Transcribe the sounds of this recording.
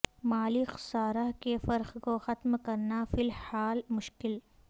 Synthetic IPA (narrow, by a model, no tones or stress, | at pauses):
maːlixsaːɾaɦkefɐɾqkoxɐt̪mkɐɾnafɪlhaːlmʊʃkɪl